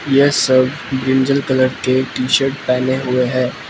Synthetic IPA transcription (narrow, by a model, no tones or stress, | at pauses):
jesɐb | bɾɪ̃nd͡ʒəlkələɾkeʈiːʃəɾʈ̚pɛːneɦʊeɦɛ̃ː